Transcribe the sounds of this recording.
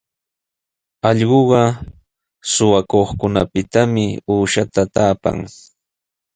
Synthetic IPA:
ɑʎɢoɢɑ | sʊwakoχkʊna̰pɪt̪amɪuːʃat̪at̪aːpa̰ŋ

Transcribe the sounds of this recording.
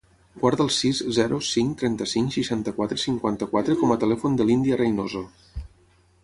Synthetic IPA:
ɡwaɾðəlˠsizzɛɾʔusiŋkt̪ɾɛnt̪əsiŋkʃiʃant̪əkwat̪ɾəsiŋkwant̪əkwat̪ɾəkɔmət̪əlɛfund̪əlind̪iərəjnozo

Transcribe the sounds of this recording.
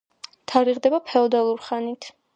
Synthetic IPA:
t̪ʰaɾiʁd̪ɛbapʰɛɔd̪alˠuɾχanit̪ʰ

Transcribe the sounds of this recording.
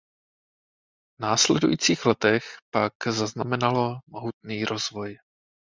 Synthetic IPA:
vnaːslɛdujiːt͡siːɣlɛt̪ɛxpaɡzaznamɛnalomoɦut̪̚niːɾʔozvoj

